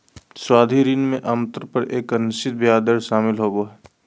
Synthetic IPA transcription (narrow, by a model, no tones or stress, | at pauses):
swaːd̪ʱiɾinmẽʔɐmt̪əɾpəɾeːkənɪst͡ʃɪt̪̚bjaːd̪əɾʃaːmɪlɦoːɡoɦɛː